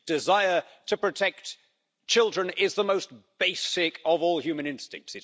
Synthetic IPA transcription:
d̥ɨzaɪə˞ | ɾɨpɹ̥ɨtʰɛk̚t | t͡ʃʰɪlˠdɹɨ̃nɪzðəmoʊstb̥eɪsɪkʌvɔlˠhjʉmɨ̃ñɪ̃nstɪ̰̃ŋk̚tsɨ

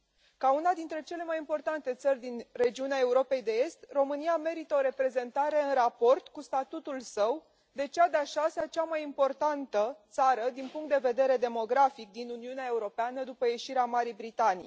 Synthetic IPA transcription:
kaunad̪in̪t̪ɾe̞t͡ʃe̞le̞majimpo̞rt̪ant̪e̞t̪sərʲd̪inre̞d͡ʒiuneae̞uɾo̞pe̞jd̪e̞e̞st̪ro̞mɨniame̞ɾit̪əo̞ɾe̞pɾe̞ze̞nt̪aɾe̞ɨnrapo̞rt̪kust̪at̪ut̪ulsəw | d̪e̞t͡ʃead̪eaʃaseat͡ʃamajimpo̞rt̪ant̪ət̪saɾəd̪inpuŋkt̪d̪e̞ve̞d̪e̞ɾe̞d̪e̞mo̞ɡɾafik̚d̪inuniuneae̞uɾo̞peanəd̪upəje̞ʃiɾeamaɾijbɾit̪anḭj

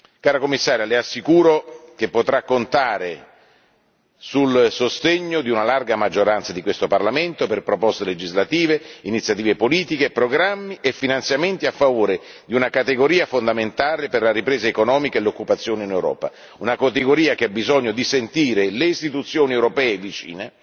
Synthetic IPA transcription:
kaːɾakomːisːaːɾjaleasːikuːɾokepːot̪ɾakːont̪aːɾe | sulsost̪eɲːod̪iunalarɡamad͡ʒːoɾant̪sad̪ikwest̪oparlament̪operpɾopɔst̪eled͡ʒizlat̪iːveinit̪sjat̪̬iːvepoliːt̪ikepɾoɡɾamːiʔefːinant̪sjament̪iafːavoːɾe | d̪iunakat̪eɡoɾiːafond̪ament̪aːleperlaɾipɾeːzaekonɔːmikaelokːupat̪sːjoːneinewɾɔ̰ːpa̰ | unakot̪eɡoɾiːakeabːizɔɲːod̪isent̪iːɾeleist̪it̪ut̪sːjoːniewɾopɛːevit͡ʃḭːne

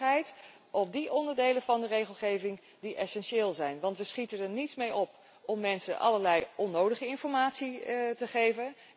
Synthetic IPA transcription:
ɛjt | ʔɔp̚diʔɔndəɹdejləvɑndərejχəlˠχejvɪŋ | diʔɛsɛnʃeːlˠzɛjnʋɑntʋəsχitədəɹnitsmejɔp | ɔmːɛnsə̰ʔɑ̰ləɹlɛjɔnːowdəχəɪnfɔɹmaːtsitəχejvən

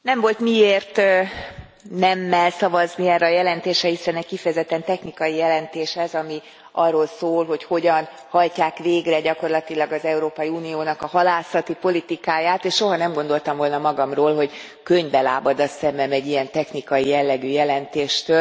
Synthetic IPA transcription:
nɛɱvo̞lt̪mieːrt̪ | nɛmːɛlsɒvɒzniɛːrːɛːjɛlɛnt̪eːʃɾɛhisɛnɛckifɛjɛzɛt̪ːɛnt̪ɛxnikɒjijɛlɛnt̪eːʃhɛzɒmi | ʔɒrːo̞lsoːlɦo̞cho̞ɟɒn | hɒlcaːkveːɡrɛɟɒko̞rlɒt̪ilɒɡɒzɛuɾoːpɒjiuːnijoːnɒkɒhɒlaːsɒt̪ipo̞lit̪ikaːjaːt̪eːʃʃo̞ɦɒnɛmɡo̞nd̪o̞lt̪ɒmvo̞lnɒmɒɡɒmroːlɦo̞ɟ | køɲbɛlaːbɒd̪ɒsɛmbɛmɛɟːijɛnt̪ɛxnikɒjijɛlːɛɡyːjɛlɛnt̪eːʃt̪øl

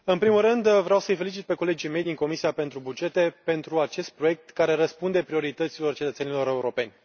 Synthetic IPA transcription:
ɨnpɾimulɾɨnd̪vɾeawsəɨjfe̞lit͡ʃit̪̚pe̞ko̞led͡ʒijme̞jd̪iŋko̞misiape̞nt̪ɾubud͡ʒe̞t̪e̞pe̞nt̪ɾuat͡ʃe̞st̪̚pɾo̞je̞k̚t̪kaɾe̞ɾəspund̪e̞pɾio̞ɾit̪ət̪silo̞rt͡ʃet̪ət̪se̞nilo̞ɾe̞uɾo̞pe̞nʲ

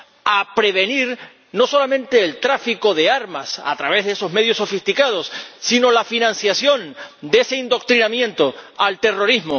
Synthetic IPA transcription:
apɾe̞βe̞niɾ | no̞so̞lamẽnt̪e̞ːlt̪ɾafiko̞ðe̞aɾmasa̰t̪ɾaβe̞zðeeso̞zme̞ð̞jo̞sːo̞fist̪ikað̞o̞sːino̞lafinãnsjasjo̞nd̪e̞se̞ind̪o̞k̚t̪ɾinamjẽ̞nt̪o̞alt̪e̞ro̞ɾizmo

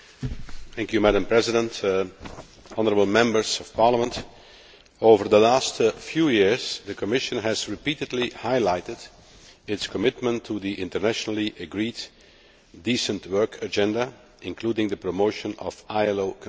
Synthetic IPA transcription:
θæ̃ŋkjumæɾə̃mpɹɛzɪdə̃nt | ɑnəɹəbəl̩ˠmɛ̃mbəɹz̥ɔfpɑɹləmə̃nt | oʊvəɹðəlæstfjuːjɪɹz̥ðəkʰəmɪʃə̃nɦæzɹɪpiːtɨdˡlihaɪlaɪtɪd | ɪtskəmɪtmə̃ntʰːuðiʔɪ̃ntəɹnæʃnl̩ˠiʔəɡɹiːd | diːsə̃ntwɜ˞kʰəd͡ʒɛ̃ndə | ɪ̃nkʰluːdɪ̃ŋd̪əpɹɔmoʊʃə̃nɔ̰vaɪɛloʊkʰ

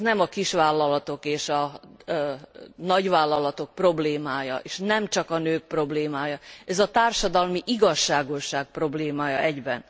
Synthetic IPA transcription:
nɛmɒkiʃʋaːlːɒlɒt̪o̞keːʃɒ | nɒɟʋaːlːɒlɒt̪o̞k̚pro̞bleːmaːjɒ̰ʔeːʃnɛmt͡ʃɒkɒnøːk̚pro̞bleːmaːjɒɛzɒt̪aːrʃɒd̪ɒlmiʔiɡɒʃːaːɡo̞ʃaːk̚pro̞bleːmaːjɒʔɛɟbɛn

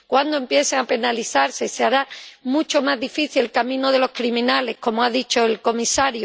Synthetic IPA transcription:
kwand̪oe̞mpje̞θeape̞naliθaɾse̞seaɾamut͡ʃo̞mazðifiθielkamĩnoð̞e̞lo̞hkɾimĩnale̞hko̞moaðit͡ʃo̞elko̞misaɾjo

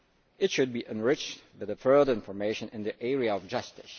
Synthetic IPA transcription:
ɨtʃɨd̚biʔɨ̃nɹɪt͡ʃwɨðəfɜ˞də˞ɪ̃nfə˞meɪʃɨ̃nɨ̃nðiʔɛɹiəʌvd͡ʒʌstɨs

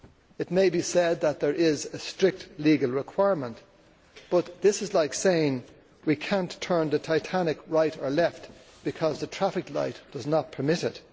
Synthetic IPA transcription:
ɨt̚meɪbisɛd̪̚ðət̪̚ðə˞ʔɪzɨstɹ̥ɪk̚tliɡl̩ˠɹɪkʰw̥aɪɹmə̃nʔ | b̥ʌt̪̚ðɪsɨzlaɪkseɪɪ̃ŋ | wikʰæ̃ntʰɜ̃˞nðɨtʰaɪtʰænɨkɹaɪɾə˞lɛft | b̥ɨkʰʌzðətʰɹ̥æfɨkla̰ɪtd̥ʌznət̚pʰə˞mɪɾɪt

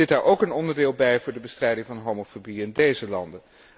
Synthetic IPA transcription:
ɪtdaːɹʔowkənɔndəɹdɪːlˠbɛjvʊːɹdəbəstrɛjdɪŋvɑnɦowmofobiɪndejzəlɑ̰ndə

